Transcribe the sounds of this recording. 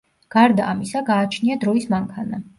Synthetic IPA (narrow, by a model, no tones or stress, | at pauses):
ɡ̥aɾd̪aːmisaɡaːt͡ʃʰniad̪ɾɔismaŋkʰana